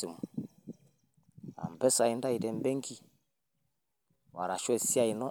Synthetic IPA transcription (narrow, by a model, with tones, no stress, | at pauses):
u˨mu˨ | a̰˨m˨bɛ˦sa˨i˦nda˦i˨dɛ˨mbɛ˦ŋ˦kʰi˦ | wa˨ɾa˨ʃɔ˦˨si˦a˦˨i˨nɔ˦